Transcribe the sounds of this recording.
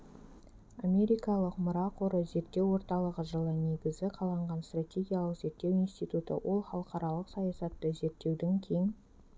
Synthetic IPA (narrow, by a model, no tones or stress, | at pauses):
amʲe̞ɾijkɑlˠəqmʊɾɑqʰoɾəze̞ɾt̪ːe̞wwo̞ɾt̪ɑlˠəʁəʒəlˠəne̞ɡʲɪzɪqʰɑlˠɑɴʁɑnst̪rat̪ʲe̞ɡʲijalˠəqz̥e̞ɾt̪ːe̞winst̪it̪ut̪ə̰wʔo̞lˠχɑlˠəqɑɾɑlˠəqsɑjɑsɑt̪ːəze̞ɾt̪ːe̞wd̪e̞ŋkʲʰejɪŋ